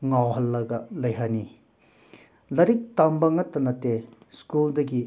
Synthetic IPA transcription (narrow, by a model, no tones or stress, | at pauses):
ŋawɦɐlːɐɡɐlɐjɦani | lɐɾik̚tambɐŋɐtːɐnɐte | skuldɐɡi